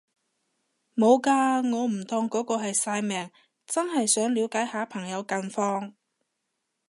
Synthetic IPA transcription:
mo˨˧wkaː˧ŋɔː˨˧m̩˨˩t̪ʰɔː˧ŋkɔː˨˥kɔː˧ɦɐ˨jsaː˧jmɛː˨˩ŋ | t͡sɐ˥nhɐ˨jsœː˨˥ŋliː˨˧wkaː˨˥jhaː˨˥pʰɐ˨˩ŋjɐ˨˧wkɐ˧nfɔː˧ŋ

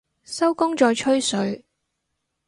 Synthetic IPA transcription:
sɐ˥wkʊ˥ŋt͡ʃɔː˨˧jt͡ʃʰɵ˥ɥsɵ˨˧ɥ

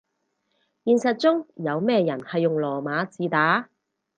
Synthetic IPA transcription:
jiː˨˧nsɐ˨t̚t͡sʊ˥ŋjɐ˨˧wmɛː˥jɐ˨˩nhɐ˨jːʊ˨ŋlɔː˨˩maː˨˧˥t͡siː˨˧t̪aː˨˥

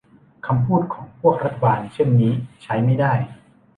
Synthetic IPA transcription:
kʰa˧mpʰuː˥˩t̪̚kʰɔː˩˦ŋpʰu˥˩k̚ɾa˦˥t̪ʰːa˧baː˧nt͡ɕʰe˥˩nːiː˦˥t͡ɕʰa˦˥jma˥˩jdaː˥˩j

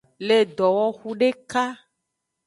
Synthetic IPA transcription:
le˨d̪ɔ˨wɔ˦xu˦ɖe˦ka˦

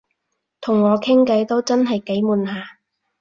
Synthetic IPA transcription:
t̪ʰʊ˨˩ŋːɔː˨˧kʰɪ˥ŋkɐ˨˥jt̪o˥wt͡sɐ˥nɦɐ˨jke˨˥jmuː˨nɦaː˨˧

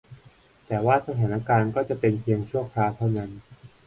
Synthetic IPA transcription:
t̪ɛː˨˩waː˥˩sa˧t̪ʰaː˩˦na˧˥˩kaː˧nkɔː˥˩t͡ɕa˨˩pe˧npʰi˧əŋt͡ɕʰu˥˩ɐəkʰlaː˧wt̪ʰa˥˩wna˦˥n

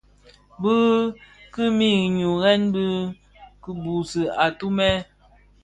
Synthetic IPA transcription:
bɨ˦ɣkɨ˦mi˦˨ɣɲu˨ɣɛ˦nbɨ˦ | kɨ˦bu˨sɨ˨a˨tu˦mɛ˦

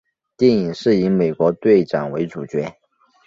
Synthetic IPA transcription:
t̪jɛ˥˩ŋi˨˩ŋʂɻ̩˥˩i˧˥me˨˩ɪkwɔ˧˥t̪we˥˩ɪʈ͡ʂɑ˨˩ŋwe˧˥ɪʈ͡ʂu˨˩t͡ɕɥɛ˧˥

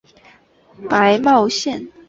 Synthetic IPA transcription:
pa˧˦ɪmɑ˥˧ʊɕjɛ˥˨n

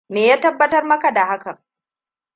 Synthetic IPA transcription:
meː˨jaː˦tɐ˦bːɐ˦tɐ˦rmɐ˦ka˨da˨ha˦kɐ˨ŋ

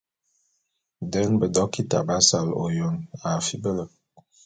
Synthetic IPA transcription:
dɛ˦nbə˨dɔ˦ki˦ta̰˨ba˦sa˨lo̰˨jo˦na˨fi˦bə˦lə˨

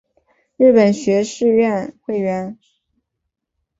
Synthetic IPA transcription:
ɻɻ̩˥˩pə˨˩nɕɥɛ˧˥ʂɻ̩˥˧ɥɛ˥˧nxwe˥˩ɪɥɛ˧˥n

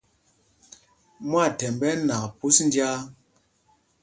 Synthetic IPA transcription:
mwa˦˨tɛ˨mbɛ˦na˨kpu˦sn̩˦d͡ʒja˦

